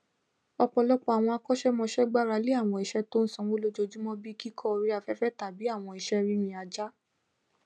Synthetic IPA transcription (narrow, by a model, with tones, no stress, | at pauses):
ɔ˧k͡pɔ˧lɔ˦k͡pɔ˦a˨w̃ɔ̃˧a˧kɔ˦ʃɛ˦mɔ̃˧ʃɛ˦ɡ͡ba˦˨ɾa˧˦le˦a˦˨w̃ɔ̃˧i˨ʃɛ˦to˦n̩˦sɔ̃˧wo˦lo˦d͡ʒo˧d͡ʒu˦mɔ̃˦bi˦ki˦kʰɔ˦˧ɾi˦a˧fɛ˦fɛ˦ta˨bi˨˦a˦˨w̃ɔ̃˧i˨ʃɛ˦ɾi˦mĩ˧a˧d͡ʒa˦